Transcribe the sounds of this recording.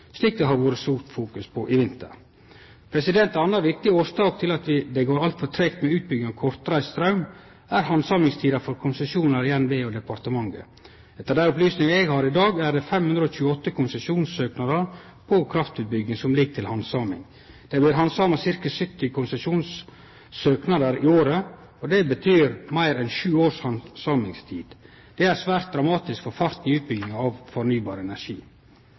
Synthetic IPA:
sliːk̚d̪ɛhɑɾʋoːɾəst̪uːɾt̪fuːkʉspʰɔʔɪʋɪnt̪ə̰ɾ | pʰɾɛsɪd̪ɛnt̪ɑnːɑʋɪk̚t̪ɪoːst̪ɑːk̚t̪ʰɪlɑt̪ʋɪd̪ɛɡoːɾɑlt̪fɔt̪ʰɾɛkt̪mɛʉːt̪̚bʏɡɪŋɑkʰɔɾt̪ɾæɪst̪ɾɑʉm | æɾhɑnsɑːmɪŋst̪ʰiːd̪ɑfɔɾkʰʊnsɛsuːnɑɾɪjɛnʋeːod̪ɛpɑɾt̪əmɑŋɡə̰ | ɛt̪ːəɾd̪æɾɔplyːsnɪŋəɛɡhɑːɾɪd̪ɑːɡæd̪ɛfɛmhʉnd̪ɾəɔːçʉːəɔt̪ːəkʰʊnsɛʃuːnsøːknɑd̪əɾ | pʰɔkʰɾɑft̪ʉːt̪̚bʏɡɪŋsɔmlɪɡt̪ʰɪlhɑnsɑːmɪ̰ŋ | d̪̥ɛblɪɾɦɑnsɑːmɑsɪɾkəsʏt̪ːɪkʰʊnsɛʃuːns | søːknɑd̪əɾɪoːɾə | ɔd̪ɛbət̪ʰyːɾmæɪɾɛnʃʉːoːɾʂhɑnsɑːmɪŋst̪ʰiːd̪̥ | d̪̥ɛæɾsʋæːɾt̪̚d̪ɾɑmɑːt̪ɪskfɔɾfɑɾt̪nɪʉːt̪̚bʏɡɪŋɑʋfɔɾnyːbɑːɾɛnæʂḭː

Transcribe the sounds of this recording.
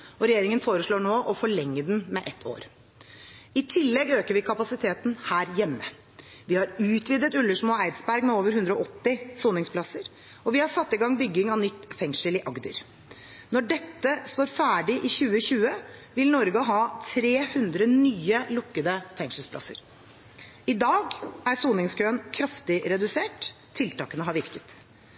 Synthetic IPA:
ɔɾɛjeːɾɪŋənfoːɾəʂɭoːɳoːʔɔfɔɭɛŋːəd̪nmɛʔɛt̪ʰːo̰ːɾ | ɪt̪ʰɪlːɛɡøːkəɾʋɪkʰɑpɑsɪt̪ʰeːt̪n̩hæːɾjɛmːə | ʋɪhɑɾʉːt̪ʋiːd̪ət̪ʉlːəʂmoːæɪd̪sbæɾɡmɛoːʋəɾhʉnd̪ɾəɔʔɔt̪ːɪsoːnɪŋspʰlɑsəɾ | ɔʋɪhɑʂɑt̪ːɪɡɑŋːbʏɡːɪŋɑnʏt̪ːfɛŋʂəlɪʔɑɡd̪ə̰ɾ | nɔɖɛt̪ːəst̪oːɾfæːɖɪʔɪçʉːəçʉːəʋɪlnɔɾɡəɦɑːt̪ʰɾeːhʉnd̪ɾənyːəlʊkːəd̪əfɛŋʂəlspʰlɑ̰sə̰ɾ | ɪd̪ɑːɡæɾsuːnɪŋskʰøːnkʰɾɑft̪ɪɾɛd̪ʉseːʈ̪ʰː | ɪlt̪ɑːkənəɦɑɾʋɪɾkət̪

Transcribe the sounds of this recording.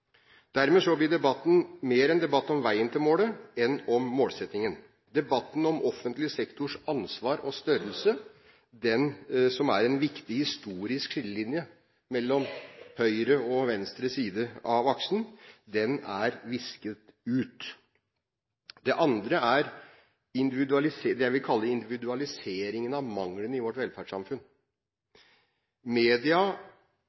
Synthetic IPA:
d̪̥æɾmeːsɔblɪɖ̪ɛbɑt̪ːn̩meːɾɛnd̪ɛbɑt̪ːɔmʋæɪənt̪ʰɪlmoːləɛnɔmːoːlsɛt̪nɪŋən | d̪ɛbɑt̪ːn̩ɔmʔɔfənt̪lɪəsɛkt̪ʊʂɑnsʋɑːɾʔɔst̪œɾəlsə | d̪ɛnsɔmæɾɛnʋɪkt̪ɪhɪst̪uːɾɪskʂɪləlɪnjə | mɛlːɔmhœʏɾəɔʋɛnst̪ɾəsiːd̪əɑʋɑksn̩d̪ɛnæɾʋɪskət̪ʉːt̪ | d̪ɛʔɑnd̪ɾəæɾ | ɪnd̪ɪʋɪd̪ʉɑlɪsed̪ɛæɪʋɪkʰɑlːəɪnd̪ɪʋɪd̪ʉɑlɪseːɾɪŋənɑʋmɑŋlənɪʋɔʈʋɛlfæɖʂɑ̰mfʉn | meːd̪ɪɑ

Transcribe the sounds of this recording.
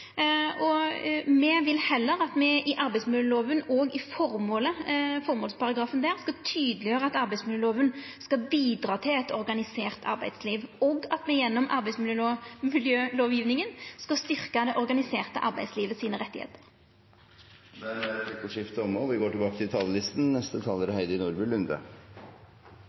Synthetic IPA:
ɔmɛʋɪlhɛlːəɾɑt̪mɛʔɪʔɑɾbæɪtsmɪljəloːʋənoːɡɪfɔɾmoːləfɔɾmoːlspʰɑʁɑɡɾɑːfənd̪æːʁskɑt̪ʰyːd̪əlɪjøːɾəɑt̪ɑʁbæɪsmɪljøːloːʋənskɑbiːd̪ɾɑːt̪ʰɪlɛt̪ɔɾɡɑnɪseːʁt̪ʰɑ̰ɾbæɪd̪sliːʋoːɡɑt̪mɛjɛnːɔmʔɑ̰ɾbæɪsmɪljømɪljøːloːʋjiːʋnɪŋənskɑst̪ʏʁkɑd̪ɛʔɔʁɡɑnɪseːʁt̪əʔɑ̰ʁbæɪsliːʋəsiːnəʁɛt̪ːɪhḛːt̪ə̥ɾ | mɛnɪkːəʂɪft̪əɔmɔʋɪɡoːʈɪlbɑːkət̪ʰɪlt̪ʰɑlːəlɪst̪n̩nɛst̪ət̪ʰɑlːəɾhæɪd̪əɾɪnuːɾbʉlʉnd̪ə̰

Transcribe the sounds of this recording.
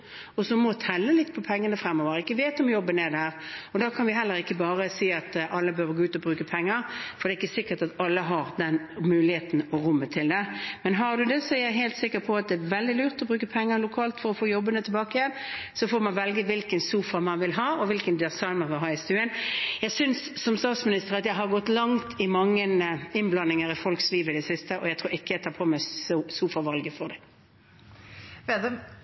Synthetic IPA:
ɔsɔmɔt̪ʰɛlːəlɪt̪ːpʰɔpʰɛŋːənəfɾɛmːɔːʋəɾəɪkːəʋeːt̪ɔmjɔbːənɛd̪æːʁɔd̪ɑkʰɑnʋɪɦɛlːəɾɪkːəbɑːʁəsiːɑt̪ʔɑlːəbəøːʋəɡoːʉːt̪ɔbʁʉːkəpʰɛŋːəɾfɔɾd̪ɛːɪkːəsɪkːət̪ɑt̪ɑlːəɦɑʁd̪ɛn | mʉːlɪheːt̪n̩ɔɾʊmːət̪ʰɪld̪ɛmɛnɦɑʁd̪ʉd̪ɛsɔæɾjæɪɦæɪlt̪sɪkːəɾpʰɔɑt̪̚d̪ɛːʋɛld̪ɪlyːʁt̪ɔbʁʉːkəpʰɛŋːəɾlʊkʰɑːlt̪fɔɾɔfoːjɔbːənət̪ʰɛbɑːkəjɛnsɔfoːmɑnʋɛlɡəʋɪlkənsuːfɑmɑnʋɪlɦɑːɔʋɪlkənd̪ɪsɑɪnəɾʋɪlɦɑːɪst̪ʉːənjæɪsʏnssɔmst̪ɑːt̪smɪnɪst̪əʁɑt̪jæɪɦɑʁɡɔt̪ːlɑŋt̪ʰɪmɑŋːənɪnblɑnːɪŋəɾɪfɔlksliːʋəɪd̪ɛsɪst̪əʔɔjæɪt̪ʰuːɾɪkːəjæɪt̪ʰɑːpʰoːmɛssuːfɑʁʋɑlɡəfɔʁd̪ɛ

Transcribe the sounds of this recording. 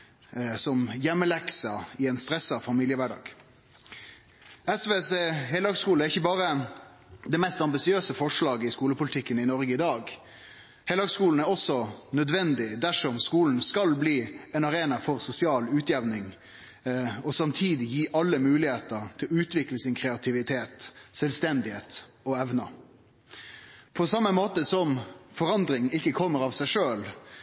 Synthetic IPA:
sɔmjɛmːəlɛksɑɪɛnst̪ɾɛsːɑfɑmiːlɪəʋæɖɑ̰ːɡ | ɛsʋeːsehɛlhøɡskuːlæɾɪçːəbɑːɾə | d̪ɛmɛst̪ɑmbɪsɪøːsəfɔʂlɑːɡəɪskuːləpʊlɪt̪ʰɪkːənɪnɔɾɡəɪd̪ɑːɡ | hɛlhøːɡskuːln̩æɾɔsːɔnœd̪ʋɛnd̪ɪd̪æʂɔmskuːln̩skɑlbliːɛnɑɾeːnɑfɔɾsʊsɪɑːlʉːt̪ʰjɛʋnɪŋ | ɔsɑmt̪ʰiːd̪ɪjiːʔɑlːəmʉːlɪheːt̪əɾt̪ʰɪlʉːt̪ʋɪkləsɪnkʰɾɛɑt̪ʰɪʋɪt̪ʰeːt̪sɛlst̪ɛnd̪ɪheːt̪ | ɔɛʋnɑ | pʰɔsɑmːəmoːt̪əsɔmfɔɾɑnd̪ɾɪŋɪkːəkʰɔmːəɾɑʋsæɪʂøːl

